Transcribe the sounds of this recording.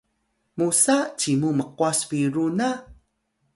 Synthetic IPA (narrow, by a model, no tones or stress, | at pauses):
musat͡ɕimuməqwasfiɾuna